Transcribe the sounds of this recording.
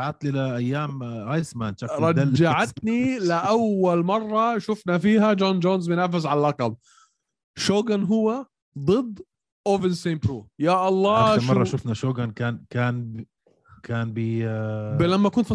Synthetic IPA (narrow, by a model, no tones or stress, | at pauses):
aʕat̪lilaʔajːaːmʔajsmaːnʃakɾˤɑd̪ald͡ʒaʕat̪nilɪʔawːalmɑrˤːɑʃʊfnafiːɦad͡ʒoːnd͡ʒoːnzmʊnaːfɪs̬ʕalalʔɑqɑl | ʃoːɡanɦʊwːa | d̪ˤɨd̪ː | ʔoːvɪnseːmbɾuːjaːʔɑlˤːɑːʃmɑrˤːɑʃʊfnaʃoːɡankaːnkaːn | kaːnbibɪlamːakunt̪fi